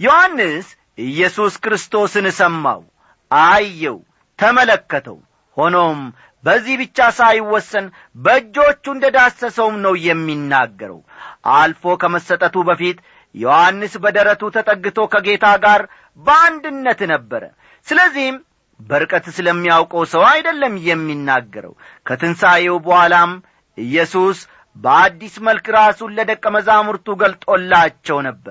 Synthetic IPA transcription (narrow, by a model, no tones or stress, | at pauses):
johanːɨs | ʔɨjːɛsuskɾɨst̪ʰo̞sɨnsəmːa̰w | ʔajːɛw | t̪ʰəmələkːət̪ʰə̰w | ho̞nom | bəzːihbɨt͡ʃːasajwːɔsːən | bəd͡ʒːo̞t͡ʃːund̪əd̪asːəsəwmnəwjɛmːinːaɡːəɾə̰wʔalfo̞kʰəməsːət̪ʼət̪ubəfit̪ | johanːɨsbəd̪əɾət̪ut̪ʰət̪ʼəɡːɨt̪ʰo̞kʰəɡe̞t̪ʰaɡaɾ | bəand̪ɨnːət̪nəbːəɾə̰ | sɨləzːihm | bəɾɨkʼət̪sɨləmːijawkʼəwsəwajd̪əlːəmːjɛmːinːaɡːəɾə̰w | kʰət̪ʰɨnsajewubəhalam | ʔɨjːɛsus | bəad̪ːisməlkɾasunlːəd̪əkʼːəməzamuɾt̪uɡəlt̪ʼo̞lːat͡ʃːɛwnəbːəɾ